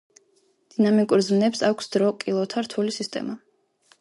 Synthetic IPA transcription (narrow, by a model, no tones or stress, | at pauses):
d̪̥inamikʼuɾzmnɛpsakʷʰsd̪̥ɾɔkʼilˠɔt̪ʰaɾt̪ʰulisist̪ʼɛ̰ma